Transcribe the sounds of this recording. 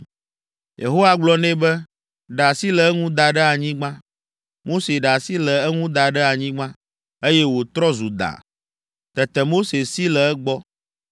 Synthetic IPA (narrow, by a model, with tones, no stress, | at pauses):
jʔḛ˨ɦo˦wa˦ɡ͡blɔ˦nɛ̃˦bɛ˦ | ɖa˨si˦lɛ˨ɛ˦ŋũ˦d̪a˨ɖɛ˦a˨ɲĩ˦ɡ͡bã˦ | mo˦se˨ɖa˨si˦lɛ˨ɛ˦ŋũ˦d̪a˨ɖɛ˦a˨ɲĩ˦ɡ͡bã˦ | e˦jɛ˦wo˨t̪ɾɔ˦zu˨d̪a̰˨ | t̪ɛ˨t̪ɛ˨mo˦se˨si˦lɛ˨ɛ˦ɡ͡bɔ˦